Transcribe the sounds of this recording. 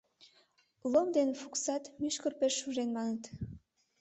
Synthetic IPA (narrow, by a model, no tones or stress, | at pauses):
lomd̪enfuksɑt̪myʃkərpeʃːuʒenmɑnət̪